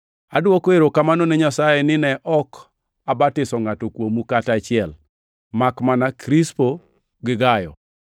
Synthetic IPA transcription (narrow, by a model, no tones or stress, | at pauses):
adwɔkoeɾokamanɔnɛɲasajɛnɪnɛʔɔk | abatɪsɔŋatɔkwomukatat͡ʃɪɛl | makmanakɾispo | ɡɪɡajɔ̰